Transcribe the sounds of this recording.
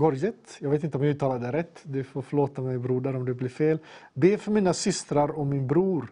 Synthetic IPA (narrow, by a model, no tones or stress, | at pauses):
ɡɔɾjət̪jɑɡveːt̪ɪnt̪əɔmjaʉ̟ːt̪ʰːɑːlad̪əɾɛt̪ːd̪ʉfoːɾfœɭoːt̪amɛjbɾuːd̪əɾɔmd̪ɛblɪɾfeːlbeːfœɾmiːnasʏst̪ɾaɾɔmɪnbɾuːɾ